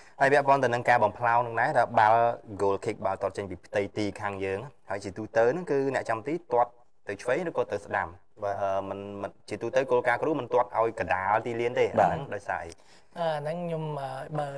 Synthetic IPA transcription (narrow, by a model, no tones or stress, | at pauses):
haəjpɛ̆əʔpŏənt̪ɨwnɨŋkaːɓɑmpʰlaɔŋnɨŋnaɛt̪ʰaɓalɡoːlkʰik̚ɓalt̪ŏət̪̚t͡ɕəɲpiːpʰt̪ɨjt̪iːkʰaːŋjəːŋhaəjt͡ɕiət̪uːt̪əwnɨŋkɨːnɛ̆əʔt͡ɕamt̪iːt̪ŏət̪̚ːɨwt͡ɕʰʋeːŋrɨːkːɔːt̪ɨwsɗa̰m | ʔəːmɨnmɨnt͡ɕiət̪uːt̪əwkoːlkaːkruːhmɨnt̪ŏət̪̚ʔa̰ɔjkəɗaːlt̪iːliənt̪eːʔanɨŋɗaɔjsa̰ːʔə̰j | ʔəːanɨŋɲoməːɓaː